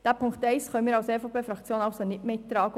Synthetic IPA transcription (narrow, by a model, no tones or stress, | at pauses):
d̥æːpʰʊŋktɛɪsχœnənmiːɾɑwseːfopʰeːfɾɑkt͡sjoːnɑʊsonɪtmeːt̪ɾɑːɡə